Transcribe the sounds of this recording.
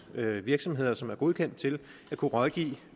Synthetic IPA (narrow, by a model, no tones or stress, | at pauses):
ʋiɐɡ̥sɒ̽mɦe̝ð̞̰ˠɐsɒ̽mæɐɡ̥o̝ð̞ˠkʰen̰d̥̚t͡sʰe̝l | ækʰuʁɒðˠɡ̥ḭː